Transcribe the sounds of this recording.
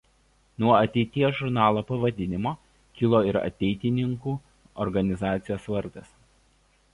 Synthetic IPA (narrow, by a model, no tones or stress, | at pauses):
nuɔɐɐt̪ʲɛɪt̪ʲiɛsʒʊɾnɑːlˠoːpɐʋɐd̪ʲɪnʲɪmoː | kʲɪlˠoːɪɾɐ̰t̪ʲɛɪt̪ʲɪnʲɪŋkuː | ɔɾɡɐnʲɪzɑːt̪sʲɪjoːsʋɐɾd̪ɐs